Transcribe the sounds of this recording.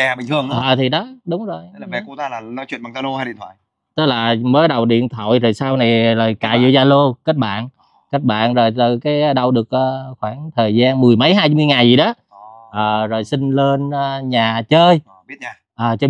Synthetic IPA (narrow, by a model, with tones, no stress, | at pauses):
ɛ˨˩ɓï˨˩ŋɨ˧əʔəː˨˩t̪ʰi˨˩ɗɔ˨˦ɗʊ˨˦wŋ͡mzo˨˩jlaː˨mɛ̰˧˩ku˧˨t̪aː˧˦laː˨˩nɔ˨˦t͡ɕwḭ˧˨nma˨˩ŋt̪ʰa˧lo˧ha˧ɗḭ˧˨nt̪ʰwa̰ː˧˨j | t̪ɨ˦˥k̚laː˨˩məː˨˦jɗə˨˩wɗḭ˧˨ənt̪ʰə̰˧˨jzo˨˩jsaː˧wna˨˩jləː˨˩jkaː˧˩zḭ˧˨zaː˧lo˧kə˦˥k̟̚ɓa̰ː˧˨n | kə˦˥k̚ɓa̰ː˧˨nzo˨˩jt̪əː˨˩jkaː˨˦jɗə˧˩wɗɨ˨˩ək̚ʔəː˨xwaː˧˩nt̪ʰəː˨˩jzaː˧nmɨ˨˩əjmə˨˦jɦaː˧jmɨ˧jŋaː˨˩jzi˨˩ɗɔ˨˦ | ʔəː˨˩zo˨˩jsï˧ŋ̟le˧nʔə˨˧ɲaː˨˩t͡ɕəː˧j | i˦˥ət̚ɲa˧ | ʔəː˨˩t͡ɕː